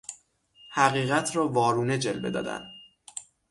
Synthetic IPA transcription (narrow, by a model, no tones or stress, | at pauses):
hæɣiːɣæt̪ʰɾɒːvɒːɾuːne̞d͡ʒelbe̞d̪ɒ̰ːd̪æ̰n